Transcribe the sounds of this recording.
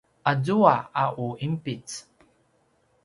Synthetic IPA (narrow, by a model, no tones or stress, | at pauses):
ʔazuaaʔuimpit͡s